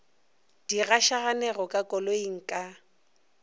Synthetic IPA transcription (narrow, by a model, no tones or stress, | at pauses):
d̥iɣaʃaɣanɛrɔkʼakʼɔloiŋ̩kʼa